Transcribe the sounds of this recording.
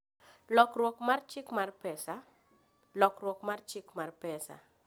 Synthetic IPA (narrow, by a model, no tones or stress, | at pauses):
lɔkrwɔkmart͡ʃɪkmarpɛsa | lɔkrwɔkmart͡ʃɪkmarpɛsa̰